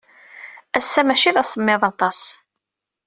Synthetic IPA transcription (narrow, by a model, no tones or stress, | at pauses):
æsːæmæʃiðæsˤəmːɪðˤɑt̪ˤɑs